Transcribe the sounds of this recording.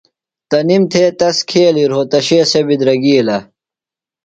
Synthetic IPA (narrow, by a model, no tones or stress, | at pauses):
t̪ɐnimt̪ʰeːt̪ɐskʰeːliɾɦot̪ɐɕeːsebid̪ɾɐɡiːlɐ